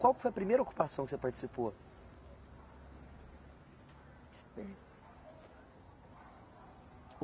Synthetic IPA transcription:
kwawkɪ̥fojɐpɾimejɾɐoku̥pasɐ̃w̃kɪsepaɾt͡ʃɪ̥sipo

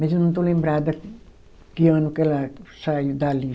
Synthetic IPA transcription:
miesinont̪ulimbræːt̪æ | kionukelæsɑid̪ælːiː

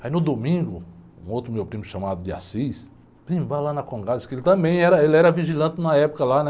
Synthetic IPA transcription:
ainʊd̪omĩɡʊ | ṵ̃owt̪ɾʊmewpɾĩmʊʃɐmad̪ʊd̪ɪa̰sis | pɾĩmbalanɐkõɡadskelɪt̪ɐ̃mbẽj̃ɛɾɐelɪɛɾɐviʒilɐ̃nt̪ɪnɐɛpʊ̥kɐlanɛ

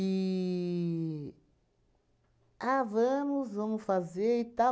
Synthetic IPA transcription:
i | avɐ̃mʊzvɐ̃mʊsfazeɾit̪a

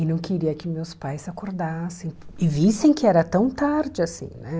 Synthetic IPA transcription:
ɪnɐ̃w̃kɪɾiɐkɪmewspajsakoɾd̪asẽj̃ɪvisẽj̃kɪɛɾɐt̪ɐ̃w̃t̪aɾd͡ʒɪasḭ̃nɛ

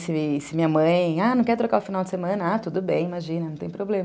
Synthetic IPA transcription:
sɪsɪmĩɲɐmɐ̃j̃anɐ̃w̃kɛɾt̪ɾokaʊfinawd͡ʒɪsemɐ̃nɐat̪ud̪ʊbẽj̃imaʒĩnɐnɐ̃w̃t̪ẽj̃pɾoblẽmɐ

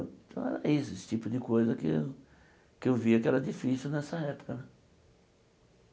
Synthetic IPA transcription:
t̪ɐ̰̃w̃ɛ̰ɾɛesʊesɪ̥t͡ʃipʊd̪ɪkojzɐkɪw | kɪewviɐkɪɛɾɐd͡ʒifisiwnɛsɐɛpʊ̥kɐnɛ̃

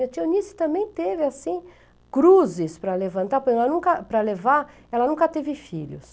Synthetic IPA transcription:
ɐt͡ʃ̪ionisʊ̥t̪ɐ̃mbẽj̃t̪evɪasĩ | kɾuzɪspɾɐlevɐ̃nt̪apoɾkeɛlɐnũkɐpɾɐlevaɾ | ɛlɐnũŋkɐt̪evɪfiʎʊ̰s

